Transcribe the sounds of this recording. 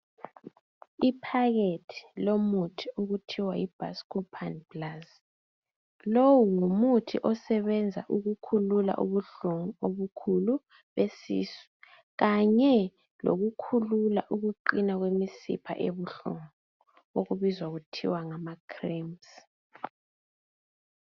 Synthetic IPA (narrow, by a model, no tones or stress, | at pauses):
ipʰaɣetʰi̥lomutʰiuɣutʰiwaib̥ʱa̰skupʰanblaz | lowuŋumutʰḭʔɔsɛβɛnd͡zʱa̰ʔuɣukʰulula̰ʔṵβuɬuŋoβukʰulu | βesḭsu̥ | ɣaɲɛ | lo̰ɣukʰululaʔuɣuǃinaɣwemisḭpʰa̰ʔeβuɬṵŋɔɔ | oɣuβizwaɣutʰḭwaŋamakʰrims